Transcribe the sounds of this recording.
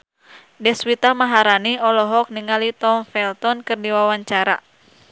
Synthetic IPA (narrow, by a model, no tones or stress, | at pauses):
dɛswit̪amaɦaɾaniɔlɔɦɔk̚niŋalit̪ɔmfɛlt̪ɔnkɨrdiwawaɲt͡ʃaɾa̰